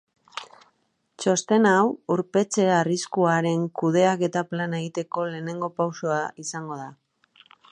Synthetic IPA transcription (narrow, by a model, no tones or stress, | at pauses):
t͡ʃo̞st̪e̞nawuɾpe̞t͡se̞aaːriskuaɾe̞ŋkuðe̞ake̞t̪aplane̞ɣit̪e̞ko̞le̞ːne̞ŋɡo̞pawsoaisaŋɡo̞ð̞a